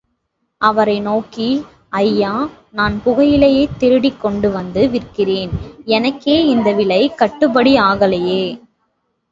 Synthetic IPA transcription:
ʔɐʋɐɾɐɪnoːki | ʔɐjːaː | naːnpʊɣɐjɪlejeːt̪ːɪɾɯɽikːɔɳɖɯʋɐnd̪ɯʋɪrkɪreːnɛnɐkːeːɪnd̪ɐʋɪɭɐɪkɐʈːɯpɐɽiaːɣɐlejeː

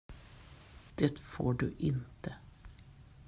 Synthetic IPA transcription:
d̪̥ɛt̪fo̰ːɖʉːʔɪnt̪ə

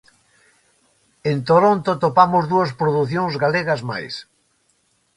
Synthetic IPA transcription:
ẽnt̪oɾont̪ot̪opamozðuɐspɾoðuθjõŋzɣaleɣɐzma̰js

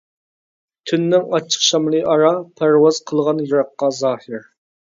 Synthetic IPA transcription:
t̪ʰynːɪŋɑt͡ʃʰːə̥qʃɑmlˠɨʔɑɾɑpʰæɾwɑzqʰəlˠʁɑnjɑɾɑqːɑzɑːhɪɾ

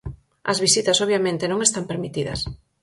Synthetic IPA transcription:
ɐ̰zβisit̪ɐsoβ̞jamẽnt̪enõŋest̪ampeɾmit̪iðɐ̰s

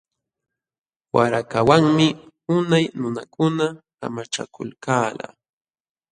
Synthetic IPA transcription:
waɾakawaŋmɪ | ʊnajnʊnakʊnaka̰mat͡ʃa̰kʊ̰lkaːla̰

